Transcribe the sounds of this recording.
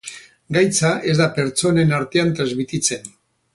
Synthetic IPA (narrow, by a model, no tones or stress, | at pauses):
ɡajt͡saʔe̞zd̪ape̞ɾt͡so̞ne̞naɾt̪e̞ant̪ɾazmit̪it͡se̞n